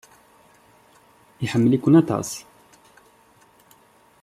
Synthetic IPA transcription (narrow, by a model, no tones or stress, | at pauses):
jħamːəlikunat̪ˤɑ̰sˤ